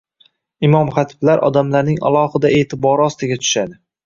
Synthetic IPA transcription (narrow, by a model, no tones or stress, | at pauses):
ɪmɒmχɑt̪ʰɪ̥blaɾʔɒ̰d̪amlaɾnɪŋa̰lˠɒhɪd̪ae̞ːt̪ʰɪbɒɾɪɒst̪ɪɡʲat̪ʰʊ̥ʃad̪ɪ